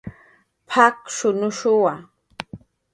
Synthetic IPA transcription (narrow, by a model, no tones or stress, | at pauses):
pʰakʃʊnʊʃʊwa